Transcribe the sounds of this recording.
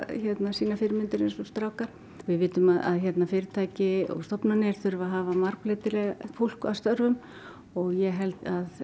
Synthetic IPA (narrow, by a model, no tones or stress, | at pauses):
çɛt̪nasiːnafɪɾmɪnt̪ɪɾensɔst̪ɾaːwkaɾ̥ | vɪðvɪːt̪ʏmaða̰ðçɛt̪nafɪːɾɪt̪ʰaːjcɪɔ̰ɣst̪ɔpnanɪɾ̥θʏɾvaɦaːvamaɾklɪt̪ɪlɛɣafowl̥kast̪œɾvʏm | ɔɣjɛɦɛlt̪að